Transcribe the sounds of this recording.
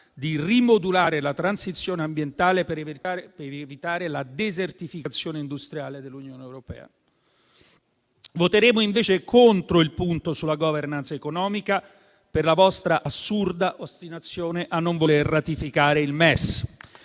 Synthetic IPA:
d̪irimod̪ulaːɾelat̪ɾansit̪sːjoːneambjent̪aːlep | vit̪aːɾelad̪ezert̪ifikat̪sːjoːneind̪ust̪ɾjaːled̪elːunjoːneɛwɾopɛ̰ːa̰ | vot̪eɾeːmoiɱveːt͡ʃekʰont̪ɾoilpunt̪osulaɡɔvernant̪sekonɔːmika | perlavɔst̪ɾaʔasːurd̪aʔost̪inat̪sːjoːneʔanːoɱvolerːat̪ifikaːɾeilmɛs

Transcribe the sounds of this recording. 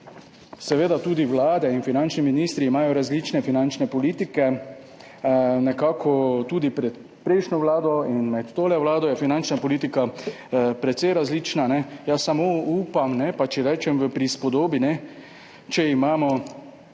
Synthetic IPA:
sɛʋeːd̪at̪uːd̪iʋlaːd̪ɛinfinant͡ʃniminist̪ɾiːmaːjɔɾazliːt͡ʃnɛfinant͡ʃnɛpɔliːt̪ikɛ | nɛkaːkʰɔt̪uːd̪ipɾɛt̪ | pɾɛɪʃnɔʋlaːd̪ɔinmɛt̪t̪oːlɛʋlaːd̪ɔjɛfinant͡ʃnapɔliːt̪ika | pɾɛt̪sɛjɾazliːt͡ʃnanɛjasamoupamnɛpat͡ʃɛɾɛːt͡ʃɛmʋəpɾispɔd̪oːbinɛ | t͡ʃɛimaːmɔ

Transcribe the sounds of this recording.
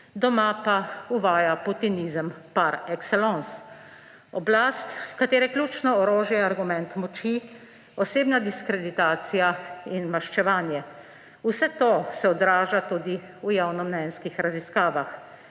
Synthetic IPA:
d̪ɔmapauʋaːjaput̪inizəmpaɾɛksɛlɔns | ɔblaːst̪kat̪eːɾɛkljuːt͡ʃnɔɔɾoːʒjɛaɾɡumɛnt̪mɔt͡ʃi | ɔseːbnad̪iskɾɛd̪it̪aːt̪sijainmaʃt͡ʃɛʋaːnjɛ | usɛt̪osɛɔd̪ɾaːʒat̪ud̪i | ujawnɔmnɛnskixɾaziskaːʋax

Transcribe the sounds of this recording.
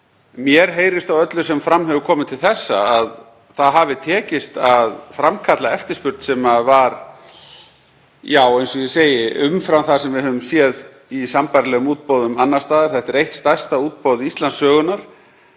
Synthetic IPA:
mjɛɾɦeːjɾɪst̪awœt̪lʏsɛmfɾamːɦɛvʏkʰɔːmɪt̪ʰɪlθɛsːa̰að | θaðɦavɪt̪ʰɛːcɪst̪aðfɾamkʰat̪laɛft̪ɪɾ̥spʏɾt̪sɛmavaɾ | jaːwejnsɔjɪseːjɪʔʏmfɾamθasɛmvɪðɦœvʏmsjɛð | isampaɾlɛɣʏmuːt̪̚poːwðʏmanːast̪aːðaɾ̥θɛht̪ɛɾejht̪st̪ḁst̪auːt̪̚powðɪist̪lansœːɣʏnaɾ̥

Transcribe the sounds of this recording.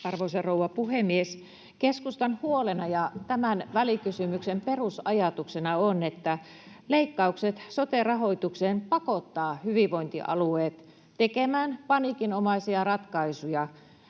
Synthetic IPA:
ɑrʋoiserouʋɑpuhemies | keskust̪ɑnhuolenɑjɑt̪æmænʋælikysymyksemperusɑjɑt̪uksenɑonet̪ːæ | leikːɑukset̪sot̪erɑhoit̪ukseːnpɑkot̪ːɑːhyʋiʋʋoint̪ḭʔɑ̰lueːt̪ | t̪ekemæːnpɑnikinomɑisiɑrɑt̪kɑisujɑ

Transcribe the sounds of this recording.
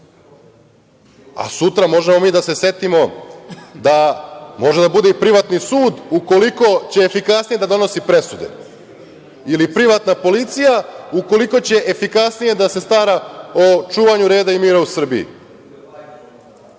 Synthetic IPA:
a̰sut̪ɾamo̞ʒemo̞miːd̪ase̞sje̞t̪imo̞ | d̪amo̞ʒe̞d̪abud̪e̞ipɾiʋat̪nisuːd̪uko̞liko̞t͡ɕe̞ːfikasnijed̪ad̪o̞no̞sipɾe̞sud̪e̞̰ | ilipɾiʋat̪napo̞lit̪sijauko̞liko̞t͡ɕe̞ʔefikasnije̞d̪ase̞st̪aɾaot͡ʃuːʋaɲuɾe̞ːd̪aimiːɾausr̩bḭḭ

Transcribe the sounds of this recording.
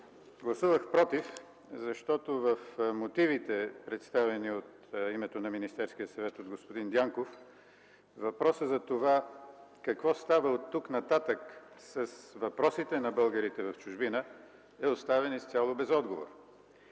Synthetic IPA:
ɡlˠɐsuvəxpɾɔt̪if | zɐʃt̪ɔt̪ovəfmot̪ivit̪ɛpɾɛt̪st̪avɛniot̪ | imɛt̪onɐminist̪ɛɾsk̟ijəsɐvɛt̪od̪ɡospod̪ind̪jaŋkof | vɐpɾɔsəzɐt̪ovakɐkvɔst̪avəot̪ːuknɐt̪at̪əksɐsvɐpɾɔsit̪ɛnɐbɤlˠɡəɾit̪ɛvɐft͡ʃʊʒbinə | ɛost̪avɛnist̪ʲalˠobɛzɔd̪ɡovo̰ɾ

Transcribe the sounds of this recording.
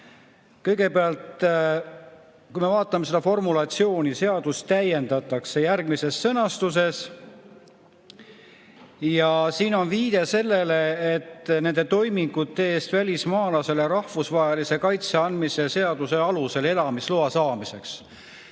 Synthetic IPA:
kɤ̞jɡ̥e̞peɑlt̪ | kujme̞vɑːt̪ːˑɑme̞se̞d̪ɑfo̞rmulɑt̪sio̞ːnʲise̞ɑd̪̥ustt̪æje̞nd̪̥ɑt̪ːˑɑkse̞jærɡ̥mise̞sːɤnɑst̪us̬e̞s | jɑsiːno̞nviːd̪̥e̞se̞lːe̞le̞et̪ːne̞nd̪e̞t̪o̞jmiŋɡ̥ut̪ːeeːst̪vælʲismɑːlɑse̞leɾɑhvusvɑɦelise̞kɑjt̪se̞ɑnd̪mise̞se̞ɑd̪̥use̞ɑluse̞le̞lɑmisloɑsɑːmise̞ks

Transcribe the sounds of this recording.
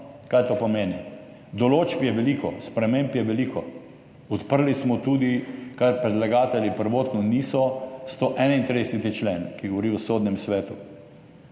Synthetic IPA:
kaːjt̪opɔmeːni | d̪ɔloːt͡ʃpjɛʋɛlikʰɔspɾɛmempjɛʋɛlikʰɔ | ɔt̪pəɾlismɔt̪ud̪ikaɾpɾɛd̪laɡaːt̪ɛljipəɾʋoːt̪nɔniːsɔst̪oʔɛnaint̪ɾid̪ɛsɛt̪it͡ʃleːnkiɡɔʋɔɾiwsod̪nɛmsʋɛːt̪u

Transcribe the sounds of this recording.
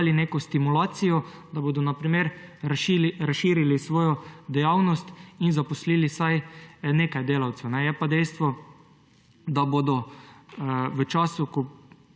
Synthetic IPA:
lineːkɔst̪imulaːt̪sijɔd̪aboːd̪ɔnapɾimeɾɾʃɾasʃiːɾilisʋoːjɔd̪ɛjaːwnɔst̪inzapɔsliːlisajneːkajd̪eːlawt̪sɛwnɛjɛpad̪ɛjst̪ʋɔ | d̪abod̪ɔ | ʋət͡ʃaːsukɔ

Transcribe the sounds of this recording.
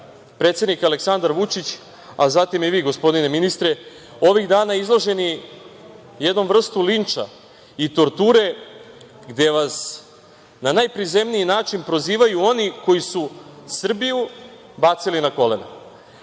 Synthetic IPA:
pɾe̞t̪sjed̪nikaleksand̪aɾʋut͡ʃit͡ɕ | azat̪imjeʋiːɡo̞spo̞d̪ine̞minist̪ɾe | o̞ʋiɣd̪aːnaizlˠoʒe̞ni | jed̪no̞mvr̩st̪ulint͡ʂa̰ | it̪o̞ɾt̪uːɾe̞ | ɡd̪e̞ʋas | nanajpɾize̞mniinaːt͡ʃinpɾo̞ziːʋajuo̞niko̞jisusr̩biju | bat̪silinako̞len̰

